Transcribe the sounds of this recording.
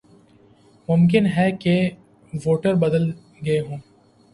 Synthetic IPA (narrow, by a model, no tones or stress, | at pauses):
mʊmk̬ɪnɦɛke | ʋoːʈəɾbɐd̪əl | ɡɐeɦõː